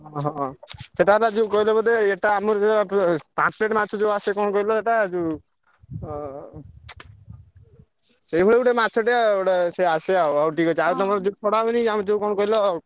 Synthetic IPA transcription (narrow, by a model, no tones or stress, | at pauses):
ɦɔ̃ɦɔ̃seʈaɾad͡ʒekɔɦilebɔd̪eeʈaːmɔɾseʈaapãt͡ʃpleʈmat̪ːt͡ʃʰɔd͡ʒewasekɔnɔkɔɦilɔeʈad͡ʒu | seibʱɔɭeuʈemat͡ʃʰɔʈiaoɽeseaseauawʈikɔt͡ʃʰaɾet̪ɔmɔɾd͡ʒet͡ʃʰɔɽaniamɔd͡ʒeukɔnɔkɔɦilɔ